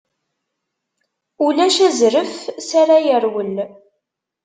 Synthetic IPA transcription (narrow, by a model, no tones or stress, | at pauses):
ulæʃæzɾəfsaɾajəɾwəl